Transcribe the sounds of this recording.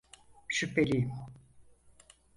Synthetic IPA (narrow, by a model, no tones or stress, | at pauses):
ʃypʰelʲijm